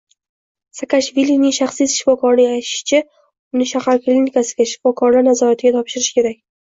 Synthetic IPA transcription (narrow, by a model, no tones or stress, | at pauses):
sakaʃvilinɪŋʃaχsiz̥ʃɪfɒkʰɒɾnɪŋajt̪ʰɪ̥ʃt͡ʃʰɪ | ʊnɪʃahaɾklinikasɪɡʲaʃɪ̥fɒkʰɒɾlaɾnazɒɾat̪ʰɪɡʲat̪ʰɒpʃɪɾɪʃkʲʰe̞ɾakʲ